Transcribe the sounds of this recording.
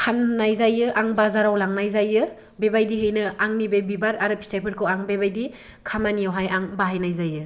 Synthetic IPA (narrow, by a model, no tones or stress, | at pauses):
kʰanːajzajɯʔaŋbazaɾawlaŋnajzajɯ | bebajdiɦɯjnɯaŋnibejbibaɾaɾɯpʰi̥stʰajpʰɯɾkʰɯwaŋbebajdi | kʰamanijawɦajaŋbaɦajnajzajɯ